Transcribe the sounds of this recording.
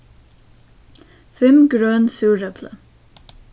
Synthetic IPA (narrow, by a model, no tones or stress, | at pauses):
fɪmɡɾœːnsuːɾɛpʰlə̰